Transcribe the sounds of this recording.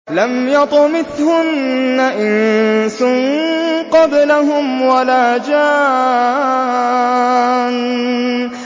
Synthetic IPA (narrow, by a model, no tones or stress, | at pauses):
lamjɑt̪ˤʊmɪθhʊnːaʔɪnsʊŋqɑblaɦʊmwalaːd͡ʒaː | n